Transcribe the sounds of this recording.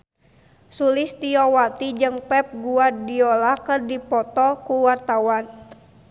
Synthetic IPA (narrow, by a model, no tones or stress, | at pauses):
sulist̪iɔwat̪id͡ʒɨŋpɛp̚ɡuadiɔlakərdipɔt̪ɔkuwart̪awan